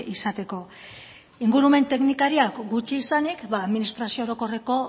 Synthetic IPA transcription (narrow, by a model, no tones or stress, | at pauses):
isat̪e̞ko̞ | iŋɡuɾume̞nt̪e̞knikaɾiakɡut͡ʃiːsanikβaːðminist̪ɾasiooɾo̞ko̞re̞ko̞